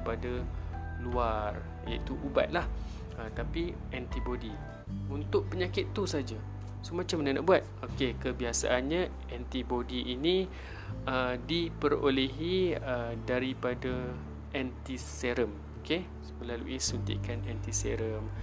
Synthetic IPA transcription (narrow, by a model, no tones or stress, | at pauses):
padaluar | ja̰it̪uʔuba̰t̪̚lah | ət̪api | ʔɛnt̪ibodi | unt̪ʊʔ̚pəɲakɪt̪ːusad͡ʒa | somãt͡ʃamənahnaʔbuat̪̚okekəbiasa̰ʔanɲa | ɛnt̪ibodiʔini | ədipəɾo̰leɦiədaɾipada | ʔɛnt̪iseɾəm | oke | məlalṵʔisunt̪ḭkanɛnt̪iseɾəm